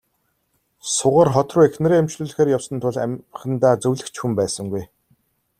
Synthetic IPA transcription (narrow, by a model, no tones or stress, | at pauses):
sʊʁə̆ːrχɔt̪rʊːexnɘ̆ɾeːæmt͡ɕɮuːɮ̆xeːɾjawsə̆nt̪ʰʊɮæ̰χə̆nt̪aːt͡sɵwɮɘ̆kt͡ɕxumpæːsə̆ŋɡuj